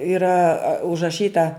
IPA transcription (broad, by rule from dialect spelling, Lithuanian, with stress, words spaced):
ɪˈrɐ ʊʒrɐˈʃʲiːtɐ